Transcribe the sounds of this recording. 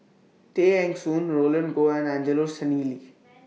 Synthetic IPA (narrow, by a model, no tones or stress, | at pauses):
ʈeːɛ̃ŋksuːnɾoːləɳnɡoːɛ̃nãːnd͡ʒeloɾsəniːli